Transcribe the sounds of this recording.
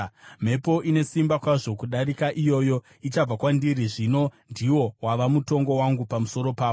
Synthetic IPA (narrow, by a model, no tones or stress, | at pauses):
m̤e̞po̞ʔine̞simbakwaʐo̞kuɗaɾikaʔijo̞ːjo̞ | it͡ʃab͡vakwandiɾiʐino̞ndiwo̞waʋamuto̞ŋɡo̞waŋɡupamuso̞ɾo̞paːo